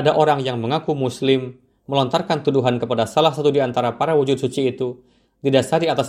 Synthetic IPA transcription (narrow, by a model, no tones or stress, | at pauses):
adaʔoɾaŋjaŋməŋakumuslɪmː | əlɔnt̪arkant̪uduɦankəpadasalahsat̪udiant̪aɾapaɾawud͡ʒud̪̚sut͡ʃiːt̪u | didasardiat̪as